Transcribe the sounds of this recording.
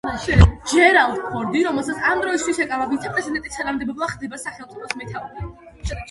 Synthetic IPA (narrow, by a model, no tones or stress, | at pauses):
d͡ʒɛɾalt̪pʰɔɾd̪iɾɔmɛlˠsat̪sʰamd̪ɾɔist̪ʰwisɛkʼavabit̪sʰɛpʼɾɛzid̪ɛnt̪ʼisχɛnamd̪ɛbɔblˠaχd̪ɛbasaχɛlˠt̪sʼɔpʰɔsmɛt̪ʰavmɛ